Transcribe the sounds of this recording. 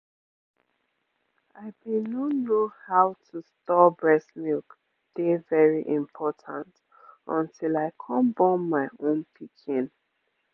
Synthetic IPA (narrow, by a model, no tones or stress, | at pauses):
aɪbinomohaʊtʰustɔbɹɛsmilk | d̥evɛɹiʔĩmpʰɔtʰãnt | ɔ̰̃ntʰilaɪkʰɔ̃mbɔ̃nmaɪõnpʰikʰĩn